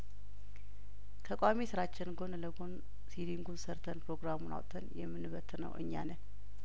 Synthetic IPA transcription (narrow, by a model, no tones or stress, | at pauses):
kʰəkʼʷamisɨɾat͡ʃːɪnɡo̞nləɡon | sid̪iŋɡunsəɾt̪ʰənpɾo̞ɡɾamuna̰wt̪ʰənjɛmːɨnɨβət̪ʰːnə̰wʔɨ̰ɲːa̰nən